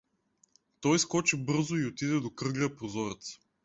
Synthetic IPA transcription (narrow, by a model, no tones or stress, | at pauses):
t̪ɔjskɔt͡ʃɛbɤɾzʊiot̪id̪ɛd̪okɾɤɡlʲəpɾozɔɾɛt̪s